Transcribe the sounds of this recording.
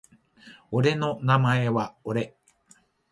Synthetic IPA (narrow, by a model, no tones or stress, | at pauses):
oɾe̞no̞namaeβaoɾe̞